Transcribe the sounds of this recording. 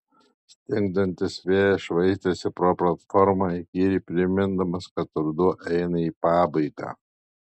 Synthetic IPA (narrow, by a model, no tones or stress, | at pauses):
sʲt̪ʲɪŋɡ̚d̪ɐnʲt̪ʲɪsʋʲeːjʃʋɐɪsʲt̪ʲɛsʲɪpɾoːplˠɐt̪fɔɾmɑikʲiːɾʲiːpʲɾʲɪmʲɪnd̪ɐmɐskɐt̪ʊɾd̪ʊʔɛɪnɐiːpɑːbɐɪɡɑ̰ː